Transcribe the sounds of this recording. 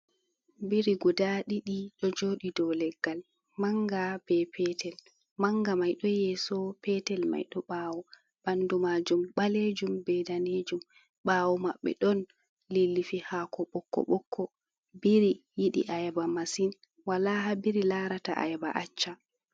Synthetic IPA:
biɾiɡɔdaɗiɗiɗɔd͡ʒoːɗidɔlɛɡːal | maŋɡab̥ɛpʰɛtʰɛl | maŋɡamajɗɔjɛsɔpɛtɛlma̰jɗɔɓaːwɔ | b̥andumaːd͡ʒumɓaled͡ʒumbɛdaned͡ʒum | ɓaːwɔmaɓːɛ̰ɗɔn | lilːifihaːkʰɔɓɔkːɔ̰ɓɔkʰːɔ | biɾijiɗḭʔajɛbamasin | walahabiɾilaːɾata̰ʔa̰jɛba̰ʔat͡ʃːa

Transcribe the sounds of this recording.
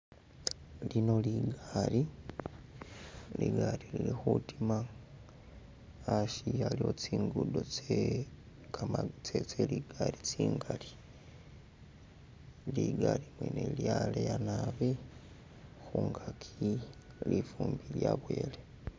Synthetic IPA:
lino̞liɡali | liɡalililixutima | ʃialiot͡siːŋɡudo̞t͡se | kʰamat͡set͡seliɡ̥alit͡siːŋɡali | liɡalimwḛneljalejanaβi | xuŋɡakʰi | lifuːmbiljaβwe̞ːle

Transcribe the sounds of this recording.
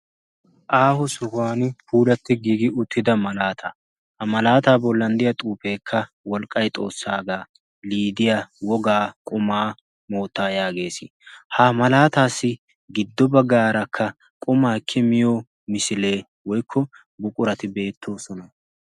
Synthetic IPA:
ʔaːhʊsɔhʊaːnpʰuːlɐt̪ːɪɡiːɡɪʊt̪ʰːɪd̪ɐmɐlaːt̪ʰɐ | hɐmɐlaːt̪aːbɔlːɐnd̪ɪjɐt̪ʼuːpeːkʰːɐ | wɔlkʼːɐjt̪ʼo̞ːsːaːɡaː | liːd̪ɪjawɔɡaːkʼʊmaː | mo̞ːt̪ːaːjaːɡe̞ːsɪ | haːmɐlaːt̪aːsːɪ | ɡɪd̪ːɔbɐɡaːɾɐkʰːɐ | kʼʊmaːkʰːɪmɪjoː | mɪsɪle̞ː | wɔjkʰːɔ | bʊkʼʊɾɐt̪ɪbe̞ːt̪ːo̞ːsɔnɐ

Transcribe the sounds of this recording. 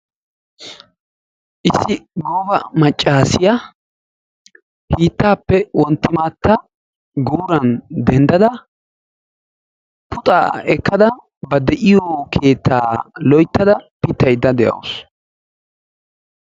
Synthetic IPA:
ʔɪsːɪɡoːbɐmɐt͡ʃʼːaːsɪja | hiːt̪ːaːpːɛwɔnt̪ːɪmaːt̪ːɐ | ɡuːɾɐnd̪ɛnd̪ɐd̪ɐ | pʊt̪ʼa̰ːɛkːɐd̪ɐ | bɐd̪ɛʔɪjɔkʰe̞ːt̪ʰːa̰ːlɔjt̪ːɐd̪ɐpɪt̪ːɐjd̪ːɐd̪ɛjʔɐ̰wʊs

